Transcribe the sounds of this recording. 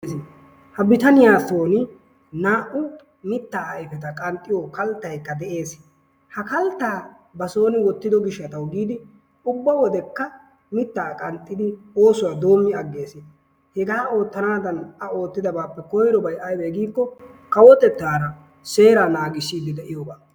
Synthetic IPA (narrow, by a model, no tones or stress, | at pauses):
hɐbɪt̪ɐnɪjaːso̞ːnɪ | naːʔʊ | mɪt̪ːaːɪfɛt̪̬ɐkʼɐnt̪ʼːɪjoːkɐlt̪ːɐjkːɐd̪ɛʔe̞ːs | hɐkɐlt̪ːaː | bɐso̞ːnɪwɔt̪ːɪd̪ɔɡɪʃːɐt̪ɐwɡiːd̪ɪ | ʊbːɐwɔd̪ɛkːɐ | mɪt̪ːaːkʼɐnt̪ʼːɪd̪ɪo̞ːsʊwad̪o̞ːmːɪɐɡːe̞ːsɪ | hɛɡaːo̞ːt̪ːɐnaːd̪ɐnɐo̞ːt̪ːɪd̪ɐbaːpːɛkɔjɾɔbɐjʔɐjbeːɡiːkːɔ | kɐwɔt̪ɛt̪ːaːɾɐ | se̞ːɾaːnaːɡɪsiːd̪ɪd̪ɛʔɪjoːbaː